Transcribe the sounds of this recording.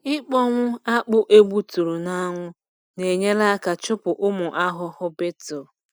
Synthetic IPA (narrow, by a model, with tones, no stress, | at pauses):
ɪ˦k͡pɔ˦ŋʷʊ˦a˦k͡pʊ˦ʔe˦ɡ͡bʷu˦tu˨ɾu˨na˦ŋʷʊ˦ | ne˨ɲe˦la˦a˦ka˨t͡ʃʊ˦pʊ˨ʔʊ˦mʊ˨ʔa˦ɦʊ˦hʊ˦be˦tʊ˨